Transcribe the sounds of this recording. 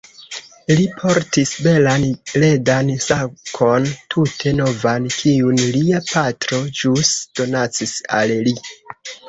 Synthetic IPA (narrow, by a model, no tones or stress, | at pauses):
lipʰo̞ɾtisbe̞lanle̞dansakʰo̞ntʰutʰe̞no̞vankʰiunliapatɾo̞d͡ʒusd̥o̞nat͡sisa̰lli